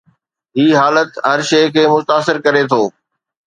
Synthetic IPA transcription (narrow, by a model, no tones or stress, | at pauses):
ɦiːɦaːlət̪ɦɐɾʃeːkʰeːmʊt̪aːsɪɾkɐɾet̪ʰoː